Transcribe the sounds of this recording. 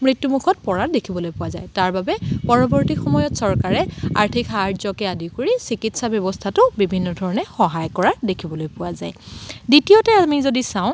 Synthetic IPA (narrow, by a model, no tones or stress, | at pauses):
mɹitːumukʰɔt̚pɔɹadekʰibɔlojpʊwaza̰jtaɹbabɛpɔɹɔbɔɹtikxɔmɔjɔtsɔɹkaɹɛa̰ɹtʰikaɹzɔkɛadikoɹisikitsabjɔbɔstʰatʊbibʱinːɔdʱɔɹɔnɛxɔɦajkɔɹadekʰibɔlojpʊaza̰jditijotɛamizodisaʊ̃